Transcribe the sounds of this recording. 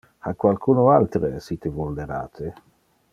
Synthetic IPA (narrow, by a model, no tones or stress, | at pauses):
akwalkʰuːnoalt̪ɾesit̪evold̪eɾa̰ːt̪ʰe